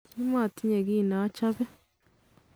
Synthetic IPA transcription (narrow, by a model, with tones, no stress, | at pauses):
i˦mwa˦˨ti˦ɲe˨ɣiː˦˨na˨˦t͡ʃa˦βe˦